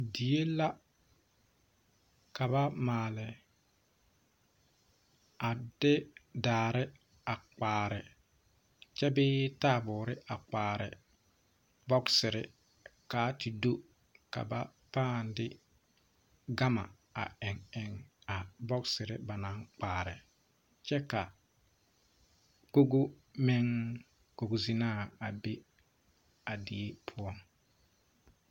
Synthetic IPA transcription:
di˨je˦la˦ | ka˨βa˦maː˨lɪ˨ | a˨dɪ˦daː˨ɾɪ˦ | a˨k͡paː˨ɾɪ˨ | t͡ʃɛ˦bɪː˦taː˦˨bʊː˨ɾɪ˦ʔa˨k͡paː˨ɾɪ̰˨ | bɔ˦ksɪ˨ɾɪ˦ | kaː˨˦ti˨do˦ | ka̰˨ba˦paː˦˨ndɪ˦ | ɡa˦ma̰˨ | a̰˨ɪ˨ŋɛ˨ŋa˨bɔ˦ksɪ˨ɾɪ˦ba˨na˨˦ŋk͡paː˨ɾɪ˨ | t͡ʃɛ˦ka˨ | ko˦ɡo˦ | mɪ˦ŋ | ko˨ɡo˨zi˦naː˦˨a˨be˦ | a˨dɪ˨e˦pʰʊ˦ɔ˦ŋ

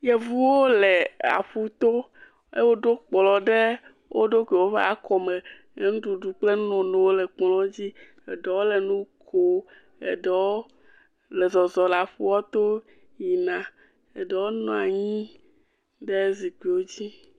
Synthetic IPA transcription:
jɛ˨vu˦wo˦le˨a̰˨ɸu˦t̪o˦ | e˦wo˦ɖo˦k͡plɔ̃˨ɖe˦ | wʔo˦ɖo˦ke˨wo˦ɸa˦kɔ˨me˨ | e˦ŋũ˦ɖu˨ɖu˨k͡ple˦nɔ̃˨ne˨wo˦le˨k͡plɔ̃˦d͡ʑi˦ | ḛ˨ɖɛ˨wo˦le˨nũ˦kʰo˦ | ḛ˨ɖɛ˨wo˦ | lɛ˨zɔ˨zɔ˨la˨ɸu˦wɔ˦t̪o˦ | ɲi˨nã˨ | e˨ɖe˨wo˦nɔ̃˨a˨ɲĩ˦ | ɖe˦zi˨ki˨wo˦d͡ʑi˦

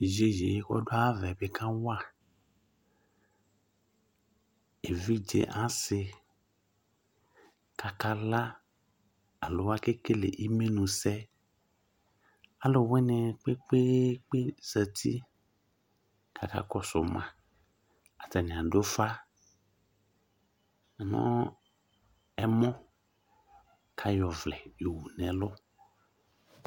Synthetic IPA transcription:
ʒe˨˦ʒḛ˨je˦kɔ̰˦do˦a˦vɛ˨be˦kã˦wa˦˨ | e˨vi˦d͡ʒḛ˨ʔã˦se˨ | ka˨ka˦la˦ | a˨lo˨wa˦ke˦ke˦lḛ˨ʔi˦mẽ˦nũ˨sɛ˦ | a˨lʊ˨wɛ˦nɛ̃˨k͡pe˦k͡pe˦k͡pe˦zə˨t̪ʰi˦ | kʰa˨ka̰˦kɔ˦sʊ˨mã˨ | a˨ta˨nɛ̃˨a˨do˦fa˦˨ | nɔ̰̃˦ | ɛ˦mɔ̃˦ | kʰa˦jɔ˨vlɛ˨jo˨wu˨nɛ̃˨lʊ˦

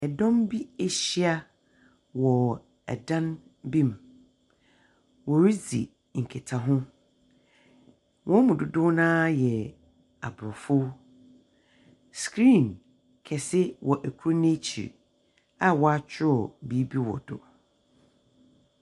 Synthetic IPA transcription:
ɛ˨dɔ̃˦mbi˦e˨ɕi˦a˦ | wɔ˨ | ɛ̰˨dã˦n | bĩ˦m˨ | wɔ˨ɾi˦zḭ˨ | ŋ̩˨kʰe˨tʰa˨ɦʊ̃˦ | wʔɔ̃˦mũ˨dʊ˨dʊ˦nãː˦jɛ˨ | a̰˨bʊ˨ɾɔ˨fʊ˦ | skɾĩː˦˨n | kʰɛ˨sɪ˦wʔɔ˨ʔæ˨kʰu˦ɾnẽ˦t͡ɕʰḭ˨ɾ | a˦wɔ˨a˦t͡ɕʰᶣɪ˦ɔ˨bi˦bi˦wɔ̰˨dʊ̰˨

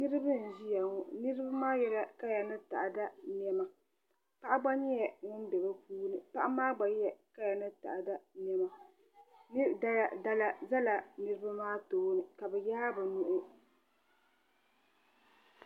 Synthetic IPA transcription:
nɨ˦ɾɨ˦bɨ˦n̩˨ʒi˦ja˨ŋɔ˦nɨ˦ɾɨ˦ba˦maː˦jɛ˦la˦ka˦ja˨nɨ˦ta̰˨ʔa˨da˦n˦ɛ˦ma˨ | pa˦ʔa˦ɡ͡ba˦ɲɛ˦jɛ˨ŋʊ˦n˦bɛ˨ba˦puː˦nɨ˨pa˦ʔa˦maː˦ɡ͡ba˨jjɛ˨ka˦ja˨nɨ˦ta̰˨ʔda˦nɛ˦ma˨ | nɨ˦˨da˦a˨da˦la˨za˦la˨nɨ˦ɾɨ˦ba˦maː˦toː˦nɨ˨ka˨bɛ˨ja˦bɨ˨nu˦ʔʊ˦

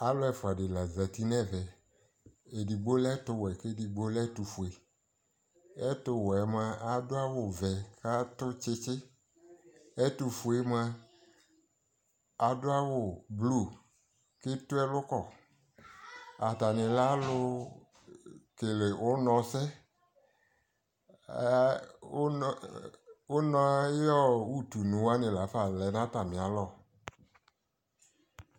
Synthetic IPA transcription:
a˦lʊ˦ɛ˨fʊ˨a˨dɪ˨la˨za˨ti˦nɛ̃˦˨vɛ˨ | e˨di˨ɡ͡bo˦lɛ˦tʊ˦wɛ˨kɪ˦di˨ɡ͡bo˦lɛ˦tu˨fu˨e˨ | ɛ˦tʊ˦wɛ˨˦m˦a˦a˨dʊ˦a˦wʊ˨vɛ˨ka˦tʊ˦t͡ʃɪ˦t͡ʃɪ˦ | ɛ˦tʊ˨fu˨e˨˦m˦a˦ | a˨dʊ˦a˦wʊ˨blu˦˨ | kɪ˦tʊ˦ɛ˦lʊ˦kɔ˦˨ | a˨ta˨nɪ̃˨la˦lʊ˦ | ke˨le˨ʔʊ˦nɔ̃˨sɛ˦ | ʊ˦nɔ̃˦a˦je˦ɔ˦wu˦tu˨nũ˨wa˦nɪ̃˨la˨˦fa˦˨lɛ˨˦nã˦ta˨mĩ˨a˨lɔ˦˨

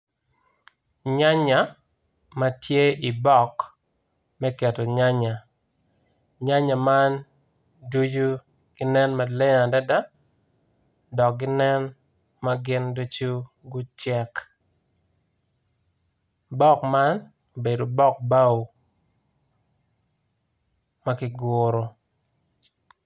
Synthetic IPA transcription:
ɲa˦ɲa˨ | ma˦tʰje˦i˨bɔ˦˨k | mɛ˦kɛ˨to˨ɲa˦ɲa˨ | ɲa˦ɲa˨ma˦n | du˦d͡ʒu˦ | ɡ̥ɪ˦nɛ˦nma˨lɛ˦a˨da˦da˦ | dɔ˨k̚ɡɪ˦nɛ˦n | ma˦ɡɪ˦ndo˦t͡ʃu˦ | ɡʊ˦t͡ʃɛ˨k | bɔ˦kma˦n | o˨be˨do˨bɔ˦k̚ba˦w | ma˦kɪ˦˨ɡʊɾo˨

